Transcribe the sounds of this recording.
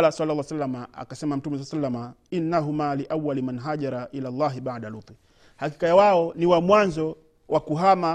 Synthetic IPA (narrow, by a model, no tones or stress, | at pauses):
lasalːalːasalːamaa̰kasɛmam̩tumɛs̬alsalːama | inːaɦumaliʔawːalimanɦaʄaɾˤaʔilalˤːɑːɦibaʕdalut̪i | haki̥kajawaɔniwamwanzɔ | wʔakuɦama